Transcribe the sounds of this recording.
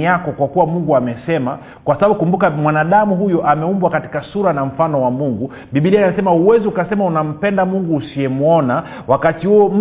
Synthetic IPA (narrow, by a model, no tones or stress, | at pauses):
akɔkwakuwamuŋɡuamɛsɛma̰ | kwasaɓaɓukumbukamwanaɗamuɦujɔʔamɛumbwakati̥kasuɾanam̩fanɔwamuŋɡu | ɓiɓiliaaasɛmauwɛziukasɛmaunam̩pɛndamuŋɡuːsiɛmuɔna | wakatihuɔm̩